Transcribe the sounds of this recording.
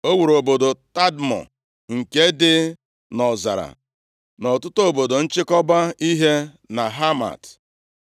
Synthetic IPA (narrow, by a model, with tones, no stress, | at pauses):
o˦wu˨ɾo˨bo˨do˨ta˦dmɔ̰˨ | ŋ̩˨ke˦dɪ˦ | nɔ˨za̰˨ɾa̰˨ | nɔ˨tʊ˦to˨bo˨do˨n̩˦t͡ʃɪ˦kɔ˦ba˦i˦ɦe˦ | na˨ɦa˦ma̰˨t